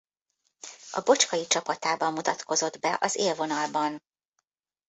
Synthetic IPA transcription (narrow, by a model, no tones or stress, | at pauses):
ɒ̰bo̞t͡ʃkɒjit͡ʃɒpɒt̪aːbɒmːut̪ɒt̪kʰo̞zo̞d̪bɛʔɒzeːlvo̞nɒlbɒn